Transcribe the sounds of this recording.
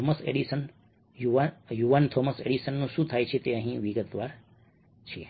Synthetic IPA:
oməsḛɽisən | jujuʋant̪ʰoməsḛɽisənːũʃũt̪ʰajt͡ʃʰet̪eə̃ɦĩʋiɡət̪ʋaɾ | t͡ʃʰie

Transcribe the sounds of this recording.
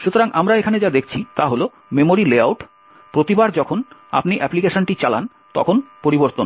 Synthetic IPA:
ʃut̪oɾaŋamɾaekʰaned͡ʑad̪ekʰt͡ɕʰit̪aɦolo | memoɾileawʈ | pɾot̪ibaɾd͡ʑɔkʰona̰pniʔɛplikeʃonʈit͡ɕala̰n | t̪ɔ̰kʰonpoɾiboɾt̪on

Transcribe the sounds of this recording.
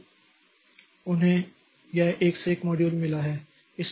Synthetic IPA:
ʊnɦẽ | jɛʔeːkseeːkmɔːɖjuːlmɪlaɦɛː | ɪs

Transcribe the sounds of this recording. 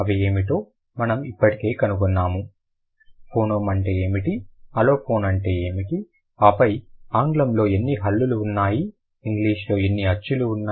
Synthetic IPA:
ɐʋie̞ːmiʈo̞ː | mɐnɐmipːɐʈike̞ːkɐnukunːaːmu | pʰoːnoːmɐɳʈe̞ːeːmiʈiɐlo̞ːpʰo̞ːnɐɳʈe̞ːeːmiʈi | aːpɐjaːŋɡlɐmlo̞ːe̞nːiɦɐlːuluːnːaːjiː | ŋɡliːʂlo̞ːenːiɐt͡ʃːuluːnːaː

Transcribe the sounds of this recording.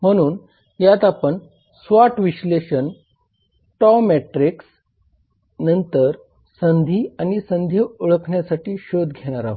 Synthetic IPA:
m̤əɽ̃uːn | jat̪apəɳ | sʋaʈʋiɕleɕən | ʈɔmeʈɾiks | nənt̪əɾ | sənd̪ʱiːañisənd̪ʱjiuɭəkʰɳjasaʈiːɕod̪ɡʱeɽ̃aɾa̰ɦ

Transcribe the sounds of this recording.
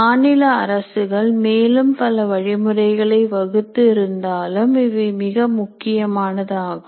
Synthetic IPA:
aːnɪlɐːɾɐsɯɣɐɭmeːlɯmpɐlɐʋɐɻɪmɯrɐɪɣɐɭɐɪʋɐɣɯt̪ːɯɪɾɯnd̪aːlɯmɪʋɯmɪɣɐmʊkːɪjɐmaːnɐðaːɣɯ

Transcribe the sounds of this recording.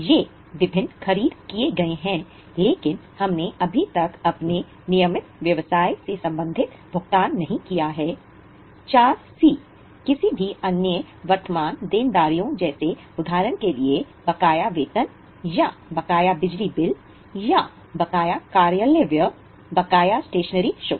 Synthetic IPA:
je | ʋɪbʱɪnːxɐɾiːd̪kieɡɐeɦɛ̃ː | leːkɪnhɐmneʔɐbʱit̪ɐkɐpne | nɪjəmɪt̪ʋjɐʋsaːisesɐ̃mbə̃nd̪ʱɪt̪ | bʱʊɡt̪aːnːɐɦĩkijaɦɛː | t͡ʃaːɾsiː | kɪsibʱiɐnjə | ʋɐɾt̪əmaːnd̪eːnd̪aːɾijõd͡ʒɛːse | ʊd̪ʱaːɾənkelie | bɐkaːjaʋeːt̪ən | jabɐkaːjabɪd͡ʒlibɪl | ja | bɐkaːjakaːɾjəleʋjə | bɐkaːjasʈeːʃənəɾiʃoː

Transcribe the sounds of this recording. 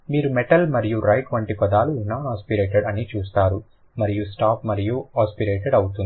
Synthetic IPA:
miːɾumɛʈɐlmɐɾijuɾɐjʈʋɐɳʈipɐd̪aːlunaːnaːspiɾeːʈeɖɐnit͡ʃuːst̪aːɾu | mɐɾijusʈaːpmɐɾijuaːspiɾeːʈeɖɐwt̪uni

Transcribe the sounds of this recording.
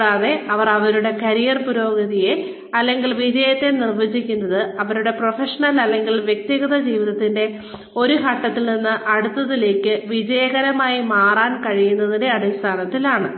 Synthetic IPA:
aːðe̞ɐʋɐrɐʋɐɾuɽe̞kɐɾijɐrpuɾo̞ːɡɐðije̞ | ɐlːe̞ŋɡilʋid͡ʑɐjɐt̪ːe̞nirʋɐd͡ʑikʲːunːɐðɨɐʋɐɾuɽe̞profeʂɐɳɐlɐlːe̞ŋɡilʋjek̚t̪iɣɐðɐd͡ʑiːʋiðɐt̪ːinde̞ | o̞ɾuɦɐʈːɐt̪ːilninːɨʔɐɽut̪ːɐðile̞ːkʲːɨʋid͡ʑɐjɐɣɐɾɐmaːjimaːraːnkɐɻijunːɐðinde̞ɐɽist̪ʰaːnɐt̪ːilaːɳɨ

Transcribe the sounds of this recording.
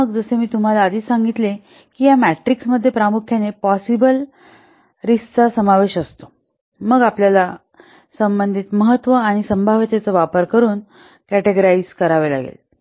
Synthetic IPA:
məɡd͡zəsemiːt̪um̤alaːd̪iːsãŋɡit̪le | kijamæʈɾiksməd̪ʱːjepɾamukʰjanepɔsibəl | ɾist͡sasəmaʋeɕəst̪o̥ | məɡapljala | səmbənd̪ʱiːt̪məɦət̪ːʋəaɽ̃isəmbʱaʋet̪et͡səʋapəɾkəɾuːn | kæʈeɡɾaid͡zkəɾaʋela̰ɡḛl

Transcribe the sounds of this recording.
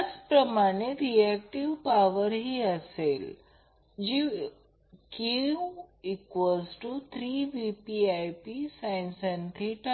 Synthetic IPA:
at͡spɾəmaɽ̃eɾiɛk̚ʈiʋpaʋəɾɦiəsel | d͡ʒi | ki | ikʋəsʈut̪ʰɾiʋipiajpisajnsɛnt̪ʰiʈa

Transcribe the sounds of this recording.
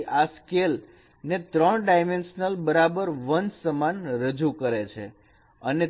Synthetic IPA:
ʔaskel | net̪ɾəɳɖajmenʃnəlbəɾabəɾʋənsəmanɾəd͡ʒukəɾet͡ʃʰḛ | əne

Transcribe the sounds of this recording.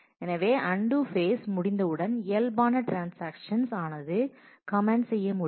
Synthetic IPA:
ɛnɐʋeːʔɐɳɖufeːsmʊɽɪnd̪ɐɯɽɐnɪjɐlbaːnɐʈɾaːnsaːkʂɐnsaːnɐðɯ | kɐmɛɳɖsɛjːɐmʊ

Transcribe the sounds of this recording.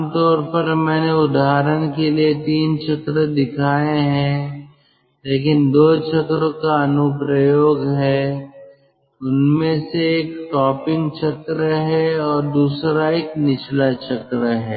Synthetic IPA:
mt̪ɔːɾpɐɾmɛ̃ːneʊd̪aːɾəñkeliet̪iːnt͡ʃɐkɾəd̪ɪkʰaːẽɦɛ̃ | leːkɪnd̪oːt͡ʃʰɐkɾəkaɐnʊpɾəjoːɡɦɛː | ʊnmẽseeːkʈɔːpɪ̃ŋɡt͡ʃɐkɾəɦɛɔːɾd̪uːsɾaeːknɪt͡ʃlat͡ʃɐkɾəɦɛ̰ː

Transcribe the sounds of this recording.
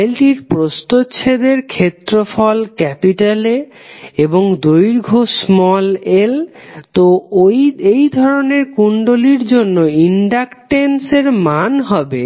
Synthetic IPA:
lʈiɾpɾost̪otːɕʰed̪eɾkʰet̪ːɾofɔlkɛpiʈale | eboŋd̪ojɾɡʱosmɔlelt̪ojejd̪ʱɔɾoneɾkuɳɖoliɾd͡ʑonːoiɳɖakʈenseɾmanɦɔbe

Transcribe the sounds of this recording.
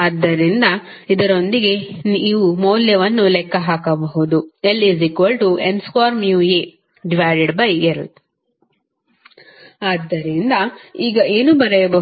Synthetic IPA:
aːd̪ːɐɾind̪ɐ | id̪ɐɾo̞nd̪iɡe̞niʋumoːljɐʋɐnːulɛkːɐɦaːkɐbɐɦud̪ueliziːkʋɐlʈuenskaːɾmjuːe | ɖiʋaːjɖeɖbɐjeɾl | aːd̪ːɐɾind̪ɐiːɡɐʔeːnuːbɐɾɐjɐbɐ

